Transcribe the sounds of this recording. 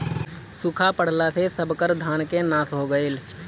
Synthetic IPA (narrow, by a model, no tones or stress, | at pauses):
sʊkʰapəɽ̤lasesəbkəɾd̪ʱaːnkenaːsɦoɡəel